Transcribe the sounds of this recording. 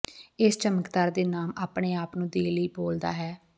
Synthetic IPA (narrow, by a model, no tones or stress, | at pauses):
ɪst͡ʃəməkd̪aːɾd̪eːnaːmaːpɳeːaːpnũːd̪eːləiːboːld̪a̰ːɦɛː